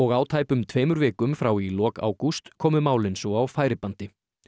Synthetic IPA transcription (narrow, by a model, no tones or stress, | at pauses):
ɔɣaːwt̪ʰaːjpʏmt̪ʰveːjmʏɾvɛːkʏmfɾawilɔːka̰ːwkust̪kʰɔːmʏmaːwlɪnsɔawfaːjɾɪpant̪ɪ